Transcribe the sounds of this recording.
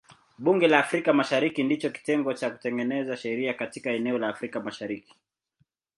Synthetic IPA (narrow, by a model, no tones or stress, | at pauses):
ɓuŋɡɛlaːfɾikamaʃaɾikindit͡ʃɔki̥tɛŋɡɔt͡ʃaku̥tɛŋɡɛnɛzaʃɛɾiakatikaɛnɛɔlaːfɾikamaʃaɾiki̥